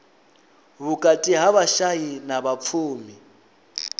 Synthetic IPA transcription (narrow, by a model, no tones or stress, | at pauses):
βukʼatʼiɦaβaʃajinaβap̪fʰuːmi